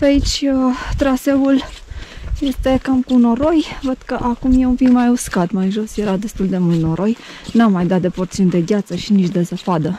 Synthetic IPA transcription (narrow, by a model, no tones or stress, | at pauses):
peait͡ʃʲət̪ɾase̞ul | je̞st̪e̞kamkuno̞ɾo̞jvəd̪̥kəʔakumje̞umpikmajuskat̪majʒo̞sje̞ɾad̪e̞st̪uld̪emult̪no̞ɾʔo̞j | namːajd̪at̪̚d̪e̞po̞rt̪siunʲd̪e̞ɡʲat̪səʃinit͡ʃʲd̪e̞zəpad̪ə